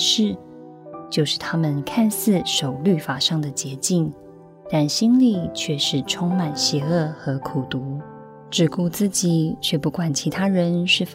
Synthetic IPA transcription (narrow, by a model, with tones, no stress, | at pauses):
ʂɻ̩˥˩ | t͡ɕjo˥˧ʊʂɻ̩˥˩t̪ʰa˥mə˨nkʰa˥˧nsɹ̩˥˩ʂo˨˩ʊly˥˩fa˨˩ʂɑ˥˩ŋd̪ə˩t͡ɕjɛ˧˥t͡ɕi˥˩ŋ | t̪a˥˩nɕi˥nli˥˧t͡ɕʰɥɛ˥˧ʂɻ̩˥˩ʈ͡ʂʰʊ˥ŋma˨˩nɕjɛ˧˥ɤ˥˩xɤ˧˥kʰu˨˩t̪u˧˥ | ʈ͡ʂɻ̩˨˩ku˥˧t͡sɹ̩˥˩t͡ɕi˨˩˦t͡ɕʰɥɛ˥˧pu˥˩kwa˨˩nt͡ɕʰi˧˥t̪ʰa˥ɻə˧˦nʂɻ̩˥˩f